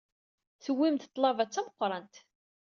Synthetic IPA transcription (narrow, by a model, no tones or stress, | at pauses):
θəwːimt̪t̪ˤːlˤɑvæt͡sːæməqːɾˤɑnt̪